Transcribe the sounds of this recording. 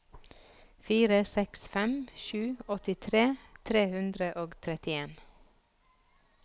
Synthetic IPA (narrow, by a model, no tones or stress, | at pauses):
fiːɾəsɛksfɛmʃʉːɔt̪ɪt̪ʰɾeːt̪ʰɾeːhʉnd̪ɾəʔoːɡt̪ʰɾɛt̪ɪeːn